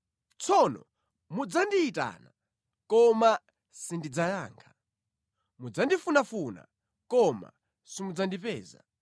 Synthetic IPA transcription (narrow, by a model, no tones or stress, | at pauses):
t͡sʰɔnɔ̰ | mud͡zandiːta̰na | kɔma | sindid͡zajaːŋkʰḁ | mud͡zandifunafuna̰ | kɔma̰ | simud͡zandipɛ̰ːza̰